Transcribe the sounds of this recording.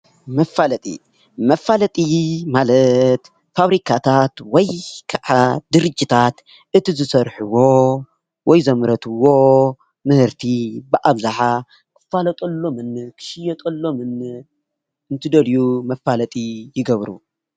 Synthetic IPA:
mɐfːalɐt̪ʼḭ | mɐfːalɐt̪ʼimalɐt̪ | faβɾikʰat̪ʰat̪wɔjkʰaʕad̪ɨɾɨd͡ʒʼːit̪ʰat̪ | ʔɨt̪ʰizɨsɐɾħuwo | wɔjzɐmɨɾɐt̪ʰɨwo̞ | mɨhɨɾt̪ʰibɨʔaβzaħa | kʰɨ̥fːalɐt̪ʼolːomɨnkʰɨ̥ʃɪjɐt̪ʼɐlːo̞mɨn | ɨnt̪ʰɨd̪ɐljumɐfalɐt̪ʼijɪɡɐβɾṵ

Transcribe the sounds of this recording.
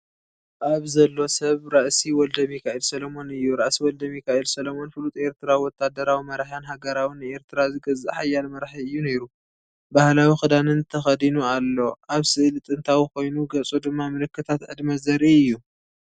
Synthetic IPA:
ʔaβzɐlːo̞sɐβɾaʔsiwɔld̪ɐmjɪkʰaʔilsɐlomo̞nɨjːuɾaʔsiwɔld̪ɐmjɪkʰaʔilsɐlomo̞nfɨlut̪ʼe̞ɾt̪ʰɨɾawiwɔt̪ʰːad̪ɐɾawimɐɾħɨnɦaɡɐɾawinɨe̞ɾt̪ʰɨɾazɨɡɐzːaħajalmɐɾħiɨjːune̞ɾu | bahlawixɨd̪anɨnt̪ʰɐxɐd̪inualːo̞ʔaβsɨʔɨlɨt̪ʼɨnt̪ʰawikʰo̞jnuɡɐt͡sʼud̪ɨmːamɨlɨkːɨt̪ʰat̪ʕɨd̪mɐzɐɾiɨjːu

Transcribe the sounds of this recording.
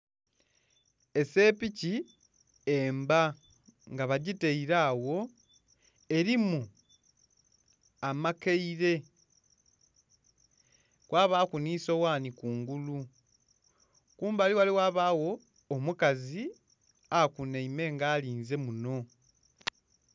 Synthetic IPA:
e̞se̞ːpici | eːmba | ŋɡaβaɟite̞iɾaːwo̞ | e̞ɾimu | amakeiɾe̞ | kwʔaːβaːkuniːso̞waːnikuːŋɡulu | kuːmbaːliwaliwaːβaːwo̞ː | mukazi | akuneime̞ːŋɡaːliːnze̞muno̞

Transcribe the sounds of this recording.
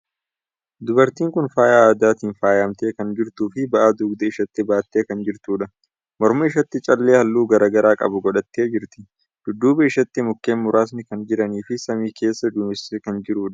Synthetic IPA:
d̪ʊbɐɾt̪iːŋkʊnfaːjaːaːd̪aːt̪iːnfaːjaːmt̪e̞ːkɐnd͡ʒɪɾt̪uːfɪbɐʔaːd̪uːɡd̪ɐɪʃɐt̪ːɪbaːt̪ːeːkɐnd͡ʒɪɾt̪uːᶑɐ | mɔɾmɐɪʃɐt̪ːɪt͡ʃʼɐlːeːhɐlːuːɡɐɾaːɡɐɾaːkʼɐ̰bʊɡɔᶑɐt̪ːeːd͡ʒɪɾt̪ɪ | d̪̥ʊd̪ːuːbɐɪʃɐt̪ːɪmʊkːe̞ːnmʊɾaːs̬nɪkɐnd͡ʒɪɾɐniːfɪsɐmiːkʰe̞ːsːɐd̪uːmɪsekɐnd͡ʒɪɾuːᶑɐ

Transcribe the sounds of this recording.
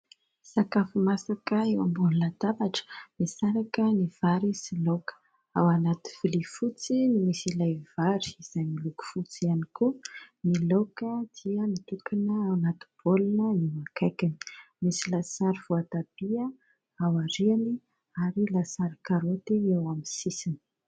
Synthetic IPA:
sakafimasakəewambunulad̪abaʈ͡ʂə̥misaɾakəniv̥aɾisilokə̥ | a̰wanat̪i̥v̥ilifut͡sinimisilajv̥aɾi̥iz̥ajmiluku̥fut͡sianikunilokəd̪̥iəmit̪ukinəawanat̪ub̥olinəimakajkini̥ | misilasaɾiv̥uat̪ab̥iə | awaɾiani | aɾilasaɾikaɾot̪iewamisisini̥

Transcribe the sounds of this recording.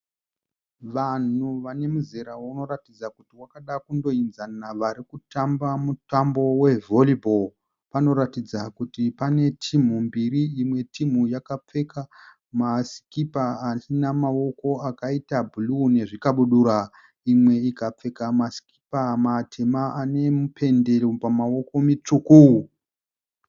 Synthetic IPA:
ʋan̤uʋane̞muzeɾawuno̞ɾatid͡zakutiwakaɗakundo̞inzanaʋaɾikutambamutambo̞we̞vo̞libʱo̞l | pano̞ɾatid͡zakutipane̞tʰim̤umbiɾiimwe̞tʰim̤ujakap͡fe̞ka | maskipaːsinamawo̞ko̞akaitabʱulune̞ʐikaɓuɗuɾa | imwe̞ikap͡fe̞kamasi̥ki̥pamatʰe̞maane̞mupʰe̞nde̞ropamawo̞ko̞mit͡ʂukuwu

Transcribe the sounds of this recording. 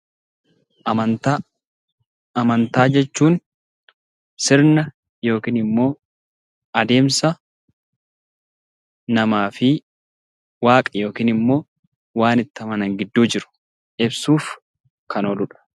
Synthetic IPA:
ɐt̪ | ɐmɐnt̪aːd͡ʒɛt͡ʃːuːn | sɪɾnɐ | jo̞ːkiːnɪmːo̞ː | ɐd̪e̞ːmsɐ | nɐmaːfɪ | waːkʼɐjo̞ːkiːnɪmːo̞ː | waːnɪt̪ːɐmɐnɐŋɡɪd̪ːuːd͡ʒɪɾʊ̥ | ʔɪbsuːf | kʰɐnolʊᶑɐ̥

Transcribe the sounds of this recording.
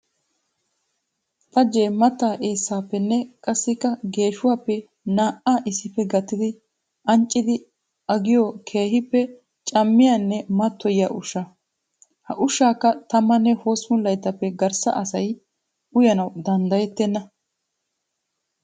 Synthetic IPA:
t̪ɐd͡ʒːeːmɐt̪ːaːʔe̞ːsːaːpːɛnːɛkʼɐsːɪkːɐɡe̞ːʃʊwaːpːɛ | naːʔaːʔɪsːɪpːɛɡɐt̪ːɪd̪ɪ | ʔɐnt͡ʃʼːɪd̪ɪ | ɐɡɪjɔkʰe̞ːɦɪpːɛ | t͡ʃʼɐmːɪjanːɛmɐt̪ːɔjɪa̰ʔʊʃːɐ | hɐʔʊʃːaːkːɐt̪ɐmːɐnːɛhoːsmʊlːɐjt̪ːɐpːɛɡɐɾsɐ̰ʔɐsɐj | ʊjɐnɐwd̪ɐnd̪ɐjɛt̪ːɛnːɐ

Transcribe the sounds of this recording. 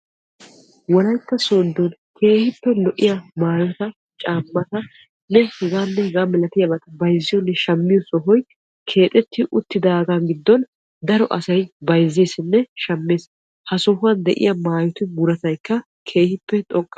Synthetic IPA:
wɔlɐjk̪ːɐsond̪ɔnkʰe̞ːhɪpːɛlɔʔːɪjamaːjɔt̪ɐ | t͡ʃʼaːmːɐt̪ɐ | nɛhɛɡaːnːɛhɛɡaːmɛlɐt̪ɪjɐbɐt̪ɐbɐjzːɪjɔnːɛʃɐmːɪjɔsɔɦɔj | kʰe̞ːt̪ʼɛt̪ːɪʔʊt̪ːɪd̪aːɡanɡɪd̪ːɔn | d̪ɐɾɔʔɐsɐjbɐjzːe̞ːsɪnːɛʃɐmːe̞ːs | hɐsɔɦʊɐnd̪ɛ̰ʔɪ̰jɐmaːjɔt̪ɪmʊɾɐt̪ɐjkːɐ | kʰe̞ːhɪpːɛt̪ʼɔkʼː

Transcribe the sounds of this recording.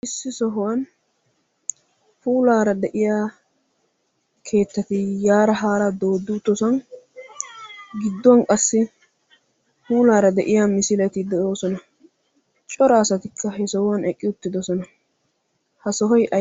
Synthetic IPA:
ʔɪsːɪsɔɦɔwɐn | fuːlaːɾɐd̪ɛʔɪjaː | kʰe̞ːt̪ːɐt̪ɪjaːɾɐɦaːɾɐd̪o̞ːd̪ːut̪ːɔsɐn | ɡɪd̪ːɔwɐnkʼɐsːɪ | fuːlaːɾɐd̪ɛʔɪjamɪsɪlɛt̪ɪd̪ɛʔo̞ːsɔnɐ | t͡ʃʼɔɾaːsɐt̪ɪkːɐhɛsɔhʊwɐnɛkʼːɪʊt̪ːɪd̪ɔsɔnɐ | hɐsɔɦɔjʔɐ

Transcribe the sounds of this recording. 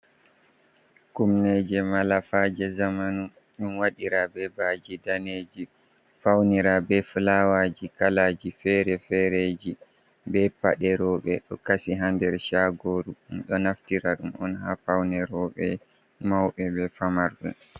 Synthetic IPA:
kumnɛd͡ʒɛmalafad͡ʒɛzamanu | ɗunwaɗiɾabɛbad͡ʒidaned͡ʒi | fawniɾabɛflawad͡ʒikalaːd͡ʒifɛɾɛfɛɾed͡ʒi | bɛpa̰ɗɛɾɔɓɛɗɔkasiɦandɛɾʃaɡoɾuɗumɗɔnaftiɾaɗumɔnɦafawnɛɾɔɓɛ | mawɓɛbɛfamaɾɗṵ

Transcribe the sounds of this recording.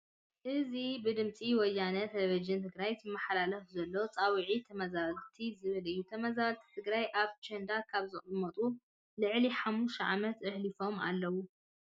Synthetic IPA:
ʔɨzibɨd̪ɨmt͡sʼiwɔjːanɐt̪ʰeleβid͡ʒɨnt̪ʰɨɡɾajɨmːaħlalɐfzɐlːo̞t͡sʼawiʕit̪ʰɐmɐzaβlt̪ʰizɨβɨlɨjːut̪ʰɐmɐzaβlt̪ʰi̥t̪ʰɨɡɾajʔaβt͡ʃʰɐnd̪akʰaβzɨχʼɨmːɐt̪ʼu | lɨʕliħamːuʃʕa̰mɐt̪ʔɨhlifo̞ma̰lːɐwu

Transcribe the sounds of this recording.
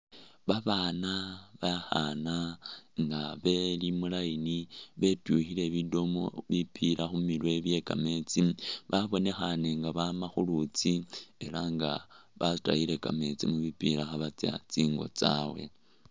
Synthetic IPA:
βaβaːnaβaxanaŋɡaβe̞limulajiniβe̞tuxile̞βido̞mo̰βipʰiɾʔaxumilwe̞βje̞ka̰me̞t͡siβaβo̞ne̞xane̞ŋɡaβamaxulut͡sie̞laŋɡa̰βasta̰ile̞ka̰me̞t͡sḭmuβipiɾaxaβat͡sa̰t͡siːŋɡo̞̰t͡sa̰we̞̰

